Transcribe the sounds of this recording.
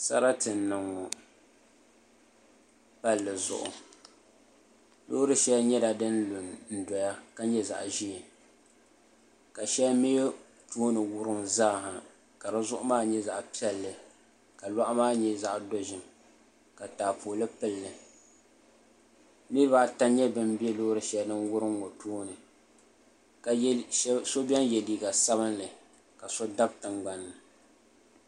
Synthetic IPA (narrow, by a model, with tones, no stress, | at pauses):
sa̰˦ɾa˦tɨ˨n˦nːɨ˨ŋɔ˨ | pa˦lːɨ˨zʊ̰˨ʔʊ̰˨ | lo̰˦ɾɨ˦ʃɛ˦ɲɛ˦da˨dɨ˦nlʊ˨nn̩˨dɔ˨ja˦ka˦ɲɛ˦za̰˨ʔʒi˦ɪ˨ | ka˨ʃɛ˦me˦ | tuː˦nɨ˨wʊ˦ɾɨ˦mzaː˦˨ha˨ | ka˨ɾa˦zʊ˦ʔʊ˦maː˦ɲɛ˦za˨ʔpi˦ɛ˦lːɨ˨ | ka˨la˦ʔmaː˦ɲɛ˦za˦˨ʔdo˦ʒɪ˨m | ka˨taː˨pʰoː˨lɨ˦pɨ˦lːɨ˨ | ni˦ba˦ta˦ɲɛ˦bɨ˦mbɛ˦loː˦ɾɨ˨ʃɛ˨lnɨ˦nwʊ˦ɾɨ˦ŋːo˨tuː˦nɨ˨˦ | so˦bʲɛ˦njɛ˨liː˨ɡa˨sa˦βɨ˦nlɨ˨ | ka˨so˦da˦b̚tɨ˨ŋɡ͡ba˨nːɨ˨